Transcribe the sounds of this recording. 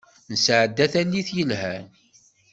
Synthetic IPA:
nəsʕəd̪ːæθænːiθjəlhæn

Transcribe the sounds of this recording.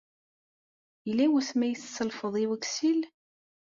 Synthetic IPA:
jəlːæwəθmæjəθsːəlfəðˤiwəksil

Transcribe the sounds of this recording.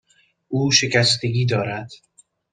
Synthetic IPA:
ʔuːʃe̞cæst̪ʰeɡiːd̪ɒːɾæd̪̥

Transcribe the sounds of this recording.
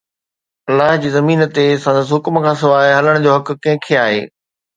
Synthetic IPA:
ɐlːaːɦd͡ʑiːzɐmiːnt̪esɐ̃ːnd̪əs̬ɦʊkmkʰãːsɪʋaːɦɐləɽ̃d͡ʑoːɦɐk̆kɐ̃ɦɪ̃kʰeaːɦḛː

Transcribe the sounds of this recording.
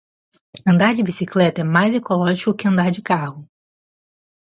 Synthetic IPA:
ɐ̃nd̪aɾd͡ʒɪbisiklɛt̪ɐɛmajzekolɔʒikʊkɪɐ̃nd̪aɾd͡ʒɪkahʊ

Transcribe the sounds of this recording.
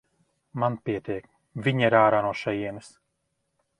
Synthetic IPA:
manpiɛt̪ʲiɛk̚ | vʲiɲaiɾaːɾaːnuɔʃɛjiɛnɨs

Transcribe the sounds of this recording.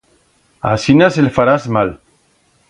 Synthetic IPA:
a̰sinaselfaɾazmal

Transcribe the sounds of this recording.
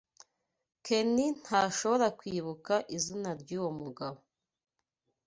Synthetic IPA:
kʰe̞nin̥haʃo̞βo̞ɾakwiːβukaʔizinaɾɟuːwomuɡaβo

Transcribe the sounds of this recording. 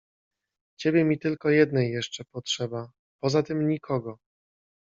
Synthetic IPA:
t͡ɕebʲjɛmʲit̪ɘlkɔjɛd̪nɛjːɛʂt͡ʂɛpɔtʂɛba | pɔzat̪ɘmɲikʰɔɡɔ

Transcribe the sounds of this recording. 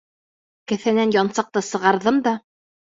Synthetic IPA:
kæ̆θænænjɑnsɑq̚t̪ɤsɤ̆ʁɑɾðɤmd̪ɑ

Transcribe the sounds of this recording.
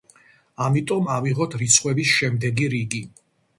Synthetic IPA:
amit̪ʼɔmaviʁɔt̪ʰɾit̪sʰχʼwɛbisʃɛmd̪ɛɡiɾiɡi

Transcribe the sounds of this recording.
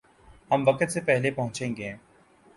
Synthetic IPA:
hɐmʋɐkət̪sepɛɦlepɐɦʊ̃t͡ʃẽːŋɡe

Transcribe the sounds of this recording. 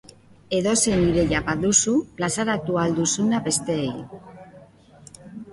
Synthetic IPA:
eðoseniɾeʎapaðusulasaɾak̚t̪uald̪usunape̞st̪ej

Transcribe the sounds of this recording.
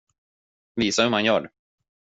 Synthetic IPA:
viːsahɵmhanjœːɖ

